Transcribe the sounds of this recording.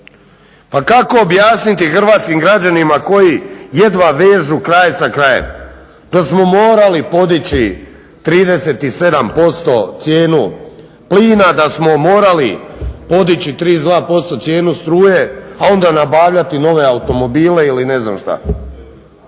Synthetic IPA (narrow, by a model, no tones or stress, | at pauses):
pakako̞ːbjaːsnit̪ixr̩ʋaːt̪skimɡɾad͡ʑanimako̞jije̞d̪ʋaʋe̞ːʒukɾajsakɾajḛm | d̪̥osmo̞mo̞ːɾalipo̞d̪it͡ɕi | t̪ɾiːd̪e̞se̞t̪ise̞d̪ampo̞st̪o̞t̪sje̞ːnu | pliːnad̪asmo̞mo̞ːɾalipo̞d̪it͡ɕit̪ɾiːzd̪ʋaːpo̞st̪o̞tsʲje̞ːnust̪ɾuːje̞ao̞nd̪anabaːʋʎat̪ino̞ʋe̞aut̪o̞mo̞biːle̞iline̞zna̰mʃt̪a̰